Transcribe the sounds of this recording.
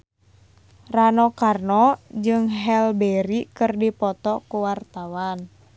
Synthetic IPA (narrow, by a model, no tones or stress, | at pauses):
ranɔkarnɔd͡ʒɨŋɦɛlbɛɾikɨrdipɔt̪ɔkuwart̪awan